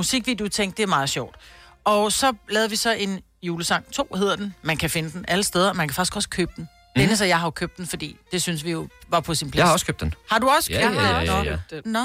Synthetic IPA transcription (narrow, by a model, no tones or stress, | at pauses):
musiɡ̥ʋid̥ut͡sʰeŋ̰ɡ̥d̥e̝ɐmɑ̈ːð̞̩ˠɕɒʊ̰d̥ɒ̽sɒ̽lɛːðˠʋisɒ̽e̝n | juːləsɑ̈ŋ̰t͡sʰo̝̰ːhe̝ð̞̰ˠɐd̥enmænkʰæfe̝nəd̥en̩ʔæləsd̥eð̞ˠɐɒ̽mænkʰæfɑ̈ɡ̥i̥sɡ̥ɒ̽isɡ̥kʰøːb̥̚d̥n̩ | d̥eenəsɒjɑ̈ɪɦɑ̈okʰøb̥̚d̥en̩fɒ̽d̥ḭːd̥e̝synsʋijo̝ʋɑ̈pʰɒ̽sinpʰlhhɒskʰøb̚d̥enhɑ̈duɒ̽sə̥kʰøbe | n